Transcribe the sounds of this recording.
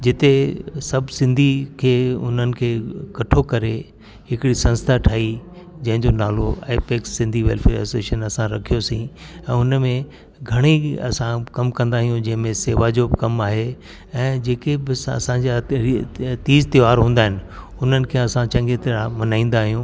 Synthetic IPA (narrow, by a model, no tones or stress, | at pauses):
d͡ʑɪt̪esɐbʱsɪ̃nd̪ʱikʰeːʊ̰n̤ənɪ̆kʰeːkɐʈʰokɐɾe | ɦɪkɪɽisɐ̃nst̪ʰaʈʰaːi | d͡ʑɐ̃ɦɪ̃ɲd͡ʑonaːloa̰ːɪpeːksːɪ̃nd̪ʱiʋɛ̰lfʰeɛ̰seːʃənɐsãɾɐkʰijosĩ | ɛ̃ːʊnmẽ | ɡʱɐɽ̃iɐ̰sãkɐmkɐ̃nd̪aːɦijũd͡ʑɐ̃ɦɪ̃mẽseːʋad͡ʑoːbɪkɐmaːɦe | ɛ̃ːd͡ʑeːkebɪɐ̰sãɲd͡ʑa | t̪iːzt̪ɪʋaːɾɦũːnd̪aːɦɪnɪ̆ | ʊn̤ənɪ̆kʰeːɐsãt͡ɕɐ̃ŋɡet̪eɾamɐnaːĩːn̆d̪aːɦijũː